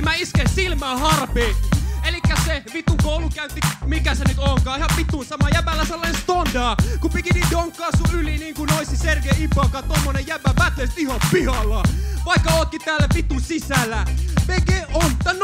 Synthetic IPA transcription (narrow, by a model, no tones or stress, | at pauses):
mæiskesilmæːhɑrpeːelikːæseʋit̪ukoulukæynt̪ːimikæsenyt̪oŋkɑːihɑpit̪ːunsɑmɑjæpælːæselːɑnenst̪ondɑːkupikiniːdoŋkːɑːsuyliniːŋkunoisiserkeipɑkɑt̪omːonejjæpːæbæt̪lest̪ihɑppihɑlːɑʋɑikːɑoːk̪ːit̪æːlːæpit̪usisælːæʋeɡeont̪ːɑn